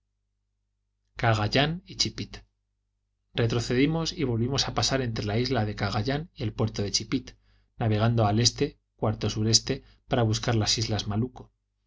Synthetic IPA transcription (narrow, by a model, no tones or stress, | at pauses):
kaɣaʎanit͡ʃipit̪ | re̞t̪ɾoθe̞ðimo̞siβo̞lβimo̞sapasaɾe̞nt̪ɾe̞laizlaðe̞kaɣaʎanie̞lpwe̞ɾt̪oðe̞t͡ʃipit̪ | naβ̞e̞ɣ̞and̪o̞ale̞st̪e̞ | kwaɾt̪o̞suɾe̞st̪e̞ | paɾaβuskaɾlasizlazmaluko